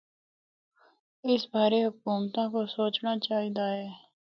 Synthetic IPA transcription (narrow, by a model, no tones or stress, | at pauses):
ɪsbʱaːɾeɦʊk̚uːmt̪ãkosoːt͡ʃnat͡ʃaːɦid̪aɦɛː